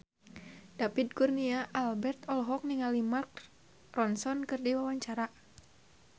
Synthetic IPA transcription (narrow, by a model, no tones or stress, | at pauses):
dapid̚kurniaʔalbɛrt̪ɔlɦɔk̚niŋalimark | rɔnsɔnkɨrdiwawaɲt͡ʃaɾa